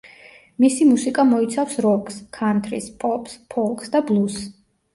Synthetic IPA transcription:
misimusikʼamɔit̪sʰafsɾɔkʰʼskʰant̪ʰɾḭspʼɔpspʰɔlˠksd̪ablˠus

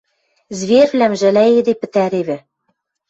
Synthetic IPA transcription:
zβervlæmʒæ̆læed̪epɘ̆t̪æɾeβɘ̆

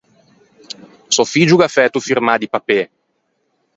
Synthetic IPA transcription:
sɔfid͡ʒuɡafɛt̪ufirmad̪ipape

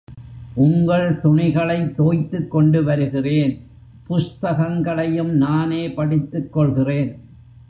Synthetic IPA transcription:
ʔʊŋɡɐɭt̪ʊɳɪɣɐɭɐɪt̪ːoːjt̪ːɯkːɔɳɖɯʋɐɾɯɣɪreːn | pʊst̪ɐɣɐŋɡɐɭɐjɯmnaːneːpɐɽɪt̪ːɯkːɔɭɣɪreːn

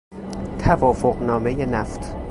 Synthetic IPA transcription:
t̪ʰævɒːfoɢnɒːme̞jenæft̪ʰ

